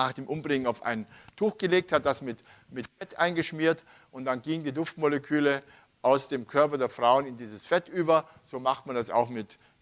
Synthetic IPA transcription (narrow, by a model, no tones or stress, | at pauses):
aːχd̥eːmʔʊmbʁɪŋənaʊfʔa̰ɪnəntʰuːxɡ̥əleːk̚that̚d̥asmɪt | mɪtfɛtʔaɪnɡəʃmiːɐt | ʔʊntd̥anɡiːŋədiːdʊftmoləkʰyːlə | ʔaʊsd̥eːmkʰœɐpɐdeːɐfʁ̥aʊənɪndiːzəsfɛtʔyːbɐ | z̥oːmaχtmandasa̰ʊxmɪt